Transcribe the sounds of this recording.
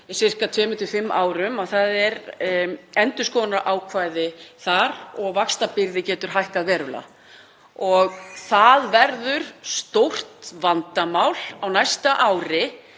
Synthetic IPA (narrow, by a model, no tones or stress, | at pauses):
sɪr̥kat̪ʰvɛːmɪnt̪ɪfɪmːʔa̰ːwɾʏmaθaðɛɾ | ɛnt̪ʏskɔːnaɾʔaːwkʰvaːjðɪθaɾɔɣvakst̪apɪɾðɪcɛːt̪ʏɾ̥ɦajhkaðvɛːɾʏla̰ | ɔɣθaðvɛɾðʏɾ̥st̪owr̥t̪vant̪amaːwlawnajst̪aʔaːwɾɪ